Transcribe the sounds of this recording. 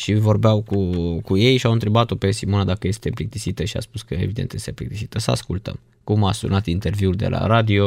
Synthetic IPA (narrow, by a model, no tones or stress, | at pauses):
ʃivo̞rbeawkukuje̞jʃiawɨnt̪ɾe̞bat̪o̞pesimo̞nad̪akəje̞st̪eɨmplik̚t̪isit̪əʃia̰spuskəevid̪ent̪jest̪emplikt̪isit̪əsəa̰skult̪ə̰m | kumasṵnat̪int̪e̞rviuld̪e̞̰lʔa̰ɾad̪io̞